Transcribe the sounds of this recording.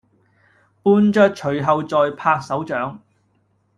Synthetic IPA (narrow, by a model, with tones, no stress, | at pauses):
puː˥nt͡ʃœ˥t̚t͡ʃʰɵ˨ɥɦɐ˨˧wt͡ʃɔː˧jpʰaː˧k̚sɐ˨˥wt͡ʃœː˨˥ŋ